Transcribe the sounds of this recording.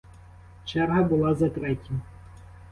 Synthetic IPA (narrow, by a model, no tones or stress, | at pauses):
t͡ʃɛɾɦɐbʊlˠazɐt̪ɾɛtʲi